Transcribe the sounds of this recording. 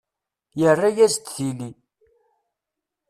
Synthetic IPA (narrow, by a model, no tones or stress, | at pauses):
jərˤːajæzt̪θili